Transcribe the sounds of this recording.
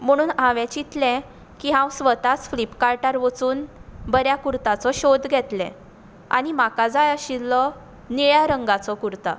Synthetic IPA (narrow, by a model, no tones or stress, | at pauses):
m̤əɽ̃uːnãʋẽt͡ɕit̪lɛ̃ | kiɦãwsʋət̪at͡sflipkaɾʈaɾʋət͡suːnbəɾjakuɾt̪at͡sɔɕod̪ɡʱɛt̪lɛ̰̃ | a̰ɽ̃imakad͡zajəɕilɔ | niɭjaɾəŋɡat͡sɔkuɾt̪a̰